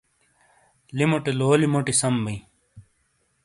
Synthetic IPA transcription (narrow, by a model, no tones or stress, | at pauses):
limoʈeloːlimoʈisɐmbɐĩ